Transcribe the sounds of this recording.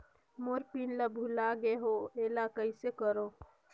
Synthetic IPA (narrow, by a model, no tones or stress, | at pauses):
moɾpinləbʱulaɡeɦoeːlakəisekəɾoː